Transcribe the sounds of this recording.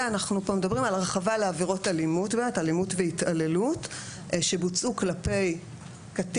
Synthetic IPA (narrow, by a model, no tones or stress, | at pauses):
anaχnupomedabʁimalʁeχavaleaviʁo̞talimutbeːmetalimutveitale̞lut | ʃebut͡suklape̞j | kat